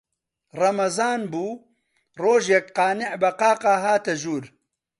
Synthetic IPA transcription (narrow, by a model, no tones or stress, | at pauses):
rɐmɐzɑːnbuː | roːʒekqɑːnɪʔbɐqɑːqɑːɦaːt̪ɐʒuːɾ